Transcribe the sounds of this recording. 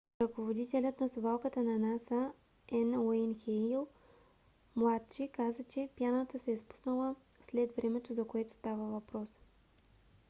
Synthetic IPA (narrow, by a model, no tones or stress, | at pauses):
ɾɐkovod̪it̪ɛlʲət̪nɐsʊvalˠkət̪ənɐnasə | ɛnoinxɛlˠ | mlˠat̪t͡ʃikazət͡ʃɛpjanət̪əsɛːspu̥snəlˠə | slɛd̪vɾɛmɛt̪ʊzɐkoɛt̪ʊ̥st̪avəvɐpɾɔs